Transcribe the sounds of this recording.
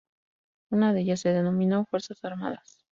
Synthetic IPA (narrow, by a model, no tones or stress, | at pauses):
unaðe̞ʝase̞ðe̞nõ̞mĩnofwe̞ɾsasaɾma̰ðas